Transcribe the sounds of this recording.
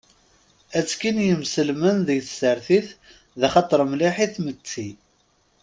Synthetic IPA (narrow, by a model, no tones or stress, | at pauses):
æt͡sːkinjəmsəlmənðəʝθsəɾθiθ | ðæχɑt̪ˤəɾˤmliħiθmət͡sːi